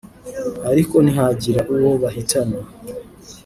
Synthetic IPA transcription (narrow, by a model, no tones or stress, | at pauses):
aɾiko̞niɦaɟiɾaʔuwoβaɦitana